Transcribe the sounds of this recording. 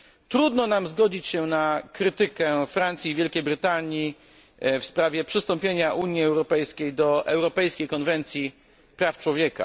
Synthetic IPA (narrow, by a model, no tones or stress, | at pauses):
t̪ɾud̪nɔnamzɡɔd͡ʑit͡ɕɕɛnakɾɘt̪ɘkɛfɾant̪sʲivʲjɛlkʲejbɾɘt̪aɲi | fspɾavʲjɛpʂɘst̪ɔmpʲjeɲaʔuɲjiɛwɾɔpɛjskʲejd̪ɔʔɛwɾɔpɛjskʲejkɔnvɛnt̪sʲji | pɾaft͡ʂwɔvʲjɛka̰